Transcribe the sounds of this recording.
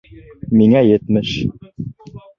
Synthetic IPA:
miŋæjɘ̆t̪mɘʃ

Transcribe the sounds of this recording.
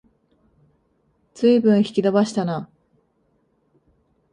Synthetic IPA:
t͡sɨibɯ̟̃ɰ̃çi̥kʲid̪obaɕi̥t̪ana

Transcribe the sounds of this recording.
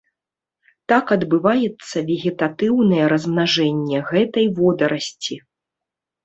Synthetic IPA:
t̪akɐd̪bɨvajɛt̪sːɐvʲɛɣʲɛt̪at̪ɨwnɐjɛɾɐzmnaʐɛnʲːɛɣɛt̪ɐjvɔd̪ɐɾɐsʲt͡sʲi

